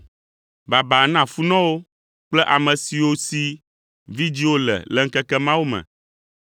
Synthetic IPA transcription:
ba˨ba˨nã˦˨fu˦nɔ̃˦wo˦ | k͡plɛ˦ʔa˨mɛ̃˨si˨wo˦si˦ | vi˦d͡ʑi˦wo˦lɛ̰˨lɛ˨ŋ̩˦kɛ˦kɛ˦mã˦wu˦mɛ̰̃˨

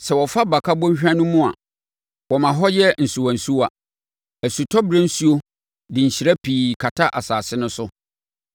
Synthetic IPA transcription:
sɛ˨wɔ˨fa˦ba˨kʰa˦bɔ̃˦ɲ˦ɕᶣã˦nʊ̃˦mʊ̃˦a̰˨ | wɔ˨mã˨ɦɔ˦jɛ˦n̩˨su˨wã˨n̩˨su˦wa˨ | æ˨su˨tʰɔ˦bɾa˦n̩˦su˦o˦ | dɪ̃˨ɲ̩˨ɕi˨ɾa˦pʰiː˨kʰa˨tʰa˦ʔa˨saː˨sɪ˦nʊ̃˦sʊ˦

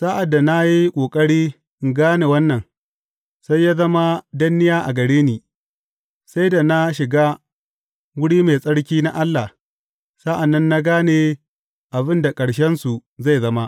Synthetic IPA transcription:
saː˦ʔa˨dːa˨na˦ji˦kʷʼoː˨kʼɐ˦ɽiː˦ | ʔɪ˨ŋɡaː˦ne˨wɐ˦nːɐ˨ŋ | sa˦jːaː˦zɐ˦ma˦dɐ˦nːɪ˦jaː˦ʔa̰˨ɡɐ˨ɽeː˦niː˨ | sa˦jda˨na˦ʃɪ˨ɡa˦ | wʊ˦ɽiː˦meː˨sʼɐ˦ɽkʲiː˦na˦ʔa˦lːa˨ | sa˦ʔa˨nːɐ˦nːa˦ɡaː˦ne˨ | ʔa˨bɪ˦nda˨kʼɐ˨ɽʃɛ˦nsu˨za˦˨jzɐ˦ma˦ʔ

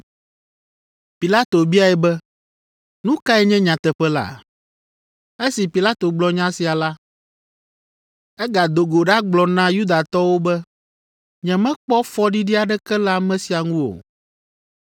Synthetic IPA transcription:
pi˨la˦t̪o˨bi˦a˨ɛ˨bɛ˦ | nũ˦ka˦ɛ˦ɲɛ̃˦ɲã˨t̪ɛ˨ɸɛ˦la̰˨ | e˦si˨pi˨la˦t̪o˨ɡ͡blɔ˨˦ɲã˦si˨a˨la˦ | ɛ˦ɡa˨d̪o˨ɡo˨ɖa˦ɡ͡blɔ˨nã˦ju˦d̪a˨t̪ɔ˦wo˦bɛ˦ | ɲɛ̃˨mɛ̃˦k͡pɔ˦fɔ˦ɖi˦ɖi˦a˨ɖɛ˦kɛ˦la˦mɛ̃˦si˨a˨ŋũ˦o̰˨

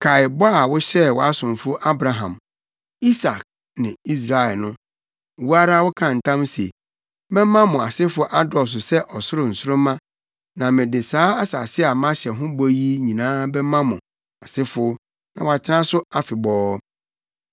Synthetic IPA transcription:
kʰa˨ɪ˨bɔ˦a˨wʊ˦ɕɛ˦˨wɔ˨a˦sʊ̃˨m˨fʊ˦ʔa˦bɾa˨ɦã̰˨m | i˦sa˨k̚ | nɪ̃˨i˦s̬ɾa˨ɛ˨lnʊ̃˦˨ | wu˦a˦ɾa˦wʊ˦kʰã˨n̩˨tʰã˦msḛ˨ | bɛ̃˦mã˦mʊ̃˨a˨sɪ˦fʊ˦ʔa˦dɔ˨s̬ʊ˨sɛ˦ʔɔ˨sʊ˦ɾʊ˨n̩˨sʊ˦ʊ̃˦mã˦ | nã˨mɪ̃˨dɪ˨saː˦a˦sa̰˨sɪ˦a˨mã˦ɕɛ˨ɦʊ̃˦bɔ˦ji˦ɲĩ˨nãː˦bɛ˦mã˦mʊ̃˨ | a˨sɪ˦fʊ˦ | nã˨wa˨t͡ɕʰɪ˦nã˦sʊ˦a˨fɪ˨bɔː˦

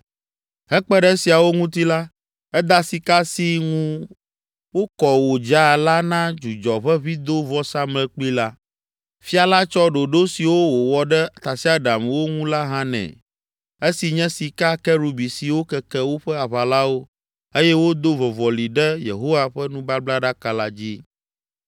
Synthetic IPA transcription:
ɦɛ˦k͡pɛ˦ɖɛ˦si˨a˨wo˦ŋũ˦t̪i˦la˦ | ɛ˦d̪a˦si˨ka˦si˦ŋũ˦ | wo˦kɔ˨wo˨d͡ʒa˦˨la˦nã˦d͡ʒu˨d͡ʒɔ˨βɛ˦βi˦d̪o˦vɔ˦sa˦mɛ̃˨k͡pi˦la˦ | fi˦a˨la˦t͡ʃɔ˦ɖo˨ɖo˦si˨wo˦wo˨wɔ˨ɖɛ˦˨t̪a˨si˦a˦ɖa˨mwo˦ŋũ˦la˦ɦã˦nɛ̰̃˨ | e˦si˨ɲɛ̃˦si˨ka˦kɛ˦ɾu˨bi˨si˨wo˦kɛ˨kɛ˦wo˦ɸɛ˦a˨βa˨la˦wo˦ | e˦jɛ˦wo˦d̪o˦vɔ˨vɔ˨li˨ɖɛ˦jḛ˨ɦo˦wa˦ɸɛ˦nũ˦ba˦bla˦ɖa˦ka˨la˦d͡ʑi˦

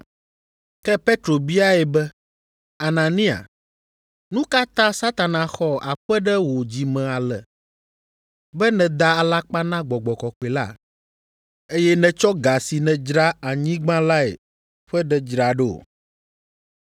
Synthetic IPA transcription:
kɛ˦pe˦t̪ɾo˨bi˦a˦ɛ˨bɛ˦ | a˨nã˨nĩ˦a̰˨ | nũ˦ka˦t̪ã˦sa˦t̪a˨nã˨xɔ˦a̰˨ɸɛ˦ɖɛ˦wo˨d͡ʑi˨mɛ̃˨a˨lɛ˨ | bɛ˦nɛ̃˨d̪a˦a˨la˦k͡pa˦nã˦ɡ͡bɔ˨ɡ͡bɔ˨kɔ˨ke˨la̰˦ | e˦jɛ˦nɛ̃˨t͡ʃɔ˦ɡa˨si˨nɛ̃˨d͡ʒɾa˦a˨ɲĩ˦ɡ͡bã˦la˦ḛ˨ | ɸɛ˦ɖɛ˦d͡ʒɾa˨ɖɛ˦o̰˨

